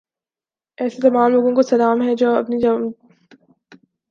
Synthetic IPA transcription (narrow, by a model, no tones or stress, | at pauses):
ɛːset̪ɐmaːmloːɡõkosɐlaːmɦɛd͡ʒoːɐ̰pnid͡ʒɐ